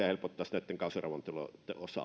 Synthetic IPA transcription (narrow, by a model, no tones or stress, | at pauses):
æhelpot̪ːɑːsnæˑt̪ːeŋkɑˑsɑrɑʋˑɑnt̪ulo̰t̪eosɑ̰